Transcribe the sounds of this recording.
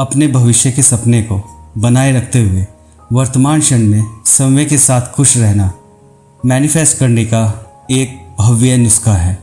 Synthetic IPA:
ɐpnebʱɐʋɪʃjəkesɐpnekobɐnaːeɾɐk̚ʰt̪eɦʊe | ʋɐɾt̪əmaːnʃɐnmẽsɐmʋekesaːt̪ʰxʊʃɾɛɦna | mɛːnɪfɛːsʈkɐɾneka | eːk̚bʱɐʋjənʊskaɦɛː

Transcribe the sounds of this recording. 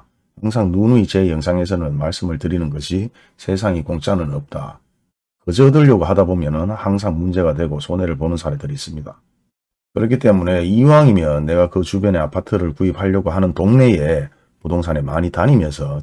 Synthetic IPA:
haŋs̬ʰaŋnunuit͡ɕe̞jʌŋsʰaŋe̞s̬ʰʌnɯnmaɭs͈ɯmɯɭtɯɾinɯnɡʌɕʰi | sʰe̞s̬ʰaŋikoŋt͡ɕ͈anɯnʌp̚t͈a̰ | kɯd͡ʑʌdɯʎːʌɡoɦadabomjʌnɯnhaŋs̬ʰaŋmund͡ʑe̞ɡadwe̞ɡosʰone̞ɾɯɭponɯnsʰaɾedɯɾis͈ɯmɲida | kɯɾʌkʰit͈e̞mune̞iwaŋimjʌnːe̞ɡakɯt͡ɕubjʌne̞apʰatʰɯɾɯɭkuip̚ʰhaʎːʌɡoɦanɯntoŋne̞je̞ | podoŋsʰane̞maɲitaɲimjʌnsʰʌ

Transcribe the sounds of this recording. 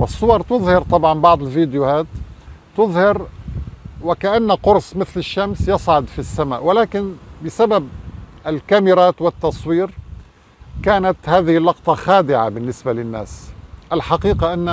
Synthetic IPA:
wɪsˤːʊwɑɾˤt̪ʊðˤhɑɾt̪ˤɑbʕɑnbɑʕd̪ˤɪlviːd̪ɪjʊhaːt̪ː | ʊðˤhɑɾ | wɪkaʔanːaqʊɾsˤmɪθlɪʃːamsjɑsˤʕʊd̪fisːamaːʔwɪlaːkɪnbɪsababʔɪlkamɪɾaːt̪wɪt̪ːɑsˤwiːɾ | kaːnat̪haːðɪhɪlːɑq̚t̪ˤɑxaːd̪ɪʕabɪnːɪsbalɪnːa̰ːsʔalħɑqiːqaʔanː

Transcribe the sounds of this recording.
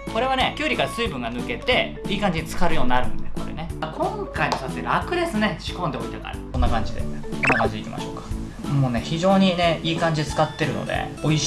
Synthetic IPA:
ko̞ɾe̞β̞ane̞kʲɨːɾʲikaɾasɨibɯ̟̃ŋɡanɯ̟ke̞t̪e̞iːkãɲ̟d͡ʑid̪et͡sɨ̥kaɾɯ̟jo̞ːɲ̟iːnaɾɯ̟̃nd̪eko̞ɾḛnekʰõ̞ŋkaimosatt̪ːeɾɯakɯ̟d̪e̞sɨne̞ɕi̥kõ̞nd̪eoit̪aka̰ɾa̰kõ̞nːakãɲ̟d͡ʑid̪ḛeko̞nːakãɲ̟d͡ʑid̪eḭkʲḭma̰ɕo̞ːkḁ | moːne̞çiʑo̞ːɲ̟ine̞iːkãɲ̟d͡ʑid̪t͡sɨ̥kat̪ːe̞ɾɯ̟no̰d̪ḛ | o̞i

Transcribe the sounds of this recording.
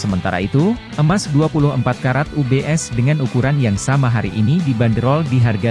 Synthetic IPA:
səmənt̪a̰ɾa̰it̪uʔəmasduapulʊɦəmpat̪̚kaɾat̪̚ubeʔɛsdəŋanukuɾanjaŋsamaɦaɾḭʔinidibandəɾɔldiɦarɡa

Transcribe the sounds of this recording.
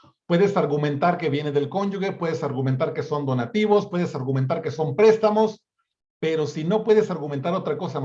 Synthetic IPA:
pwe̞ðe̞saɾɣumẽ̞nt̪aɾke̞βje̞neðe̞lko̞nd͡ʒuɣe̞pwe̞ðesaɾɣume̞nt̪̬aɾke̞so̞nd̪o̞nat̪iβ̞o̞spwe̞ð̞esaɾɣume̞nt̪̬aɾkeso̞mpɾe̞st̪amo̞s | pe̞ɾo̞sino̞pwe̞ðe̞saɾɣument̪aɾo̞t̪ɾako̞sa

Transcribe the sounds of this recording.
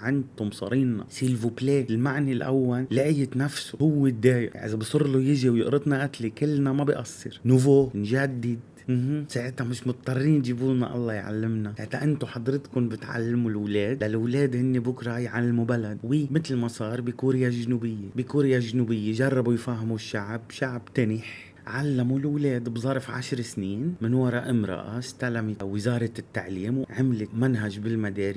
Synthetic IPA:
ʕɪnt̪ʊmsˤɑ̰ɾiːnnɑ̰siːlvupleːɪlmaʕnilʔa̰wːalːɪʕjɪt̪nafsu̥hʊwːed̪ːeːj̰ʔɪ̰zabsˤʊrlojɪʒiwjɪ̰ʔɾɨd̪naʔat̪likɪlːnamabɪʔɑsːɨɾnʊvoːnʒad̪ːɪd̪ | mhsaːʕɪt̪hamɪʃmʊt̪̚ˤt̪ˤːɑrˤːiːnʒibuːna̰ʔɑ̰lˤːɑjʕa̰lːɪmnahat̪ːaʔɪnt̪ʊħɑd̪ɾɪt̪kʊnbɪt̪ʕa̰lːmulwleːd̪lalwleːd̪hɪnːebʊkɾˤɑjʕalːmubalad̪wiːmɪt̪lmasˤɑːɾˤbikuːɾjaʒnuːbɪjːebikuːɾjaʒnuːbɪjːeʒɑrˤːɑbujfaːɦɪmuʃːaʕbʃaʕbt̪anɪħ | ʕalːamulwleːd̪bzˤɑɾˤfʕa̰ʃɾsniːnmɪnwɑɾˤɑʔɪmɾɑ̰ʔa̰st̪alamiwɪzɑːɾˤɑt̪ːaʕliːmwʕamlɪmanɦaʒbɪlmad̪eːɾi

